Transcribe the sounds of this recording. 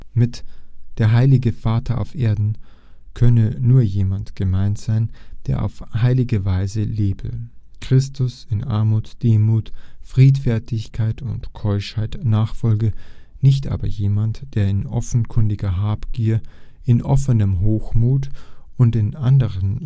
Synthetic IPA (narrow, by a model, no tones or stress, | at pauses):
mɪtd̥eːɐɦaɪlɪɡəfaːtʰɐʔa̰ʊfʔeːɐdn̩ | kʰœnənuːɐjeːmantɡ̥əmaɪntz̥aɪnd̥eːɐʔa̰ʊfhaɪlɪɡəvaɪzəleːbə̰kʁ̥ɪstʰʊsɪnʔa̰ɐmuːtd̥eːmuːtfʁ̥iːtfɛɐtʰɪçkʰaɪtʊntkʰɔʏʃhaɪtnaːχfɔlɡənɪçtʔa̰ːbɐjeːmantd̥eːɐɪnʔɔ̰fn̩kʰʏndɪɡɐɦaːpɡ̥iːɐ | ɪnʔɔfənəmɦoːxmuːtʊntɪnʔandəʁən